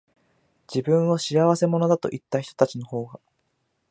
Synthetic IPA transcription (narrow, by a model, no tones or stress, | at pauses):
d͡ʑibɯ̟̃ɰ̃o̞ɕiaβ̞ase̞mo̞no̞d̪at̪o̞̰ʔit̪ːaçi̥t̪o̞t̪at͡ɕino̞ho̞ːɡa